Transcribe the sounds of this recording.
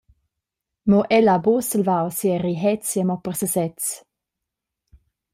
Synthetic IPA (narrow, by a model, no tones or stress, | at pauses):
mɔʔɛlabosəlvawsiəɾiɦɛt͡sjəmɔpəʁsəsɛt͡s